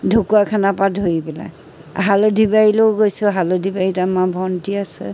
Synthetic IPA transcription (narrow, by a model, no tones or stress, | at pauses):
dʱukuakʰanapadʱoipɛla̰ | ɦalodʱibajiloʊɡojsʊɦalodʱibaitamabʱɔntiasɛ̰